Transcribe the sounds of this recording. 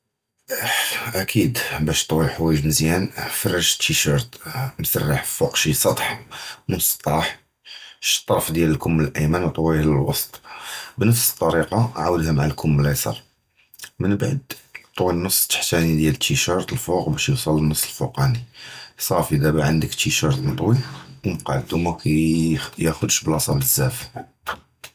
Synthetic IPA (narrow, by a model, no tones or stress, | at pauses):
ʔækʰid̪bæʃt̪ˤwiħwæjəʒməzjænfɑrˤːɑʒt̪ːiʃəɾt̪msə̰rːɑħfuqʃisˤɑt̪ˤħnʊsˤt̪ˤːɑħ | ʃt̪ˤːɑɾˤfd̪jæləlkʊmːləlʔæjmænwt̪ˤwiləlwɑst̪ˤbnəfsə̥t̪ˤːɑɾiqɑʕawəd̪hæmaʕalkʰʊmlæjsˤɑ̰l | mənbʕəd̪t̪ˤwinːəsˤːt̪ə̥ħt̪ænid̪jælət̪ʰːiʃɑɾˤt̪əlfuqbæʃjəsˤɑlːənːɑsˤːəlfuqɑnisˤɑɾfʔəd̪æbæʕənd̪əkt̪ːiʃɑɾˤt̪nət̪ˤwiwmqɑʕt̪umækʰæjjæxʊd̪ʃbəlʔɑsˤɑbəzːæf